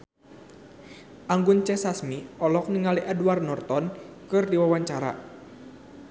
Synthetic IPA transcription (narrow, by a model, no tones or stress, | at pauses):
ʔaŋɡʊnt͡ʃɛsasmiɔlɔk̚nəŋaliʔaduarnɔrt̪ɔnkɨrdiwawaɲt͡ʃaɾa̰